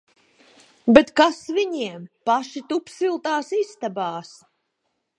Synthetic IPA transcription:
bet̪kasviɲiɛmpaʃit̪upsilˠt̪aːsist̪abaːs

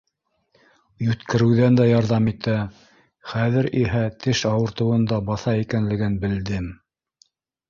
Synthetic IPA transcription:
jʉt̪kɘ̆ɾɘ̆wðænd̪æjɑɾðɑmit̪æ | χæðɘ̆ɾiɦæt̪ʰɘʃɑwɤ̆ɾt̪ɤ̆wɤ̆nd̪ɑbɑθɑikænlɘ̆ɡɘnbɘ̆ld̪ɘm

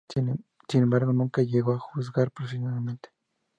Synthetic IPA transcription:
sinembaɾɣonũŋkajeɣoaxuz̬ɡaɾpɾoksimaðament̪e̥

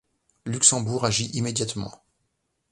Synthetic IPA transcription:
lyksɑ̃buʁaʒiʔimed̪jat̪mɑ̰̃

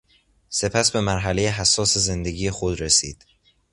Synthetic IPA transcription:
se̞pʰæsbe̞mæɾɦælejeɦæsːɒːse̞ze̞nd̪e̞ɟiːjexod̪ɾesḭːd̪̥

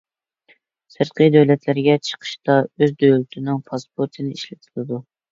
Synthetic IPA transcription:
sɨɾqʰəjd̪ɛwlɛt̪ʰlɪɾɪɡʲɛt͡ʃʰə̥qʰə̥ʃt̪ɑøzd̪øjlɪt̪ʰɪnɪŋpʰɑspʰoɾt̪ʰɨnɪiʃlɪt̪ʰɨlˠɨd̪u

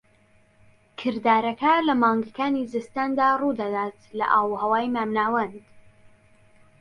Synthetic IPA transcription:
kʰɨɾd̪aːɾɐkɐlɐmɑːŋɡakaːnizɨst̪aːnd̪aːrud̪ɐd̪aːt̪lɐ̰ʔaːwhɐwaːjmaːmnaːwɐnd̪

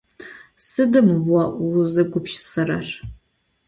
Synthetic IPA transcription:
sɨdɨmaʔzɨɡʷʊpʃsɐra̰r

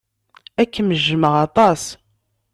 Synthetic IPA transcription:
ækːəməʒːəməʁɑt̪ˤɑs

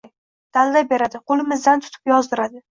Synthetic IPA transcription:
j | d̪̥alːabe̞ɾad̪ɪqʰolˠɪmɪzd̪ant̪ʰʊ̥t̪ʰɪ̥pjɒzd̪ɪɾad̪ɪ

